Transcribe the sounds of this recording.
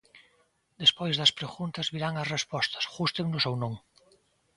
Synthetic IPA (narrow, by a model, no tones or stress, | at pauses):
d̪espojzðɐspɾeɣunt̪azβiɾaŋasrespɔst̪ḁsɣust̪eŋnʊsownõŋ